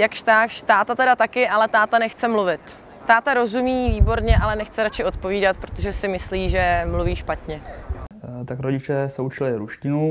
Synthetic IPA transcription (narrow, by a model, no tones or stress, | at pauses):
jakʃt̪aːxʃt̪aːt̪at̪ɛdat̪akɪʔalɛt̪aːt̪anɛxt͡sɛmluvɪt̪ː | aːt̪aɾo̞zumiːviːbo̞ɾɲɛʔalɛnɛxt͡sɛɾat͡ʃɪo̞t̪̚po̞viːdat̪pɾo̞t̪o̞ʒɛsɪmɪsliːʒɛmluviːʃpat̪ɲɛ | t̪akɾoɟɪt͡ʃɛsɛut͡ʃɪlɪɾuʃcɪnu